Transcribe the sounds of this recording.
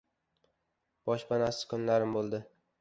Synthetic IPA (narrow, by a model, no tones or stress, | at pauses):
b̥ɒʃbanasɪ̥kʰʊnlaɾɪmbolˠd̪ɪ